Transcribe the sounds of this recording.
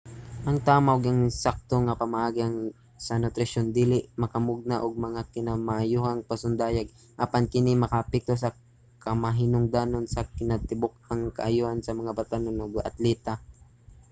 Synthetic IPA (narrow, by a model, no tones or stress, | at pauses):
ʔɐŋt̪aːmaʔoɡɐŋsak̚t̪oŋɐpɐmaʔaːɡiɐŋ | sɐnʊt̪ɾɪʃond̪iːlɪʔmɐkɐmʊɡ̚naʔoɡ̚mɐŋakɪnamaʔːjuːhaŋpɐsʊnd̪aːjaɡ̚ | ʔapankɪnimɐkapɪk̚t̪os̬ɐ | kɐmɐɦɪnʊŋd̪aːnonsɐkɪnɐt̪ɪbʊk̚aŋkɐ̰ʔɐjuhansɐmɐŋabat̪anonoɡɐ̰t̪lɛːt̪a